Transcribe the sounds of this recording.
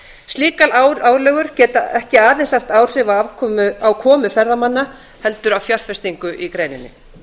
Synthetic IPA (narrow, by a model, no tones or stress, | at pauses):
st̪liːkalaaːwlœɣʏɾ̥cɛːt̪aɛhcɪaːðɛnsaft̪aːwr̥ɪvaavkʰɔmʏawkʰɔːmʏfɛɾðamanːa | hɛl̪t̪ʏɾawfjaɾ̥fɛst̪iŋkʏʔikɾeːjnɪnːɪ